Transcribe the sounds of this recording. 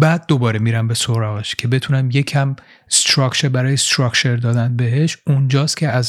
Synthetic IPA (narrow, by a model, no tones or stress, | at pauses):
bæːd̪̚ːo̞bɒːɾemiːɾæmbe̞soɾɒːɣeʃcʰe̞be̞t̪ʰunæmje̞cʰæm | st̪ɾɒːkt͡ʃʰeɾbæɾɒːjest̪ɾɒkt͡ʃʰe̞ɾd̪ɒːd̪ænbe̞ɦe̞ʃund͡ʒɒːst̪kcʰe̞æz